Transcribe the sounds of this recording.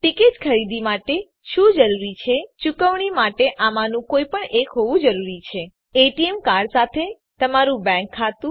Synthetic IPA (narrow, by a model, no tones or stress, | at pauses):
ʈɪkitkʰəɾid̪imaʈe | ʃũd͡ʒəɾuɾit͡ʃʰet͡ʃukəʋɳimaʈeʔamanũkojpəɳʔekɦoʋũd͡ʒəɾuɾit͡ʃʰe | eʈiemkaɾsat̪ʰe | t̪əmaɾũbɛ̃ŋkʰːat̪ũ